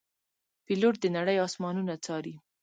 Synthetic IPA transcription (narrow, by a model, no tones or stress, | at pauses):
piloʈ̚d̪ənaɽəjɑsmɑnunat͡sɑɾi